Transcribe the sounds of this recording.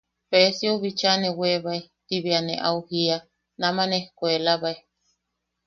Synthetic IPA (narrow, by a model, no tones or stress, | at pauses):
pesioβit͡ʃaneweβaet̪iβianḛʔa̰uhia | namanehkʷelaβae